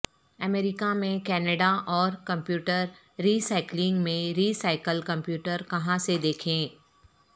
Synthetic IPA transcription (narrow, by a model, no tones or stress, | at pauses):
ɐmeːɾɪkamẽkɛːnəɖaʔɔːɾkɐ̃mpjuːʈəɾː | iːsaːɪklɪ̃ŋɡmẽɾiːsaːɪkəlkɐ̃mpjuːʈəɾkɐɦãsed̪eːkʰẽː